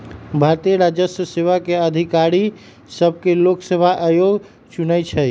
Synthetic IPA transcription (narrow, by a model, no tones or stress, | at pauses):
bʱaɾt̪ijəɾad͡ʒəsəseʋakeəd̪ʱikaɾi | səbʱkeloksəbʱaʔajoɡ | t͡ʃunəjt͡ʃʰɛ